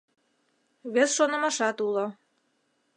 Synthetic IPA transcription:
βesʃonə̆mɑʃɑt̪ulo

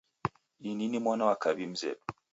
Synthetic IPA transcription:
ininimwɔnawakabim̩zɛ̰p̚

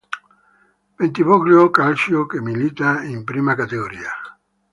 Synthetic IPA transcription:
pent̪iβokljokalsjokemilit̪aimpɾimakat̪eɣoɾia

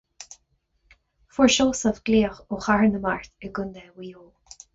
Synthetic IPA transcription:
fʊɹʃoːsɔvɡ̥liːəxoxaɹnəmaɹt̪ɛɡʊnd̪ɛwiːjoː

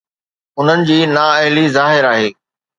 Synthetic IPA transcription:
ʊn̤ənɪ̆d͡ʑiːnaːɐɦɪlizaːɦɪɾaːɦeː

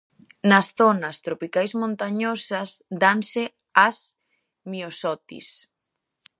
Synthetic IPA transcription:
nɐsθɔnɐst̪ɾopikajsmõnt̪aɲɔsɐsd̪ansɪ | as | miosɔt̪ḭs

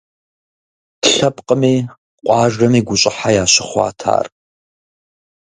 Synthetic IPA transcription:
tɬɐpqʼəmiː | qʷʼɑːʒʷɐmiːɡʷʊɕʼɪħajaːɕɪχʷɑ̰ːtʰa̰ːr

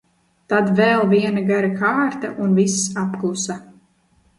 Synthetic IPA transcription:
t̪ad̪vɛlˠviɛnaɡaɾakaːɾt̪a̰ʔunvisapklˠusa

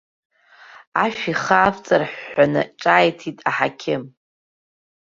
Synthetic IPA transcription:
aʃᶣiχaːft͡sʼarħːanɨ̰ʈ͡ʂʼaːjtʰitʼaħakʲʰɪm

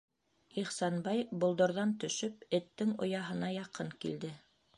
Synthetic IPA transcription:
iχsɑnbɑjbŏlˠd̪ŏɾðɑnt̪ɵ̆ʃɵp̚ɘ̆t̪ːɘŋŏ̰jɑɦɤ̆nɑjɑqɤŋkḭld̪ɘ

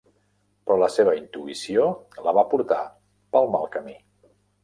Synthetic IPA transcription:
pɾɔləseβ̞əint̪uisioləβapuɾt̪a | pəlˠmalˠkəmi

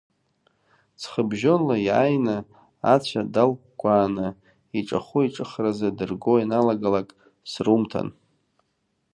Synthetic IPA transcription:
t͡sʰχəbʒonlajajna | at͡ɕʷʰadalk̚ʷkʷʼaːnɨ | iʈ͡ʂʼa̰χuiʈ͡ʂʼɨχrazadɨrɡoinalaɡalakʼ | srumtʰa̰n

